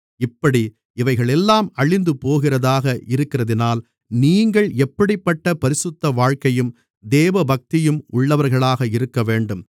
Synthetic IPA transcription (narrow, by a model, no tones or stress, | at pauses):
ɪpːɐɽi | ɪʋɐɪɣɐɭɛlːaːmɐɭɪnd̪ɯpoːɣɪrɐðaːɣɐʔɪɾɯkːɪrɐðɪnaːl | niːŋɡɐɭɛpːɐɽɪpːɐʈːɐpɐɾɪsɯt̪ːɐʋaːɻkɐjɯm | d̪eːʋɐbɐk̚t̪ɪjɯmʊɭːɐʋɐɾɣɐɭaːɣɐɪɾɯkːɐʋeːɳɖɯm